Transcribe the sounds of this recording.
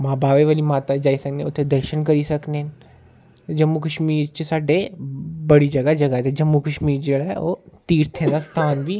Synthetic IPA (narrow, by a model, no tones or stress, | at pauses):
mãːbʱaːʋeʋaːlimaːt̪ad͡ʒaːisɐknẽʊt̪ʰːẽd̪ɐɾʃənkɐɾisɐkne | d͡ʒɐmːukəʃmiːɾt͡ʃesaːɖebɐɽid͡ʒɐɡad͡ʒɐɡaɦɛt̪ed͡ʒɐmːukəʃmiːɾd͡ʒeɽaɦɛoːt̪iːɾt̪ʰẽd̪ast̪ʰaːnbʱi